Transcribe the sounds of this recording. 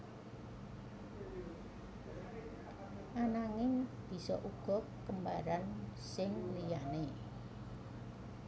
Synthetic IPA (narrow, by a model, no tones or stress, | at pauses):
ʔanaŋɪŋb̥i̤sɔ̰ʔuɡ̥ɔ̤kːəmbaɾansɪŋlijane